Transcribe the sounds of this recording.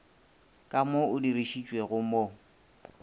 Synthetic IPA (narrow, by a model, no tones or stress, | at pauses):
kʼamoʊdiriʃit͡ʃʼweɣʊmo